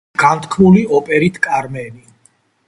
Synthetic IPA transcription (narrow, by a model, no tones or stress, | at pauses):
ɡ̥ant̪ʰkʰmuliɔpʼɛɾit̪ʰkʼaɾmɛni